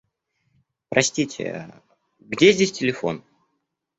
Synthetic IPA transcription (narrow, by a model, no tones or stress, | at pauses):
pɾɐsʲtʲitʲɪ̰ | ɡdʲezʲdʲesʲtʲɪlʲɪfo̞̰n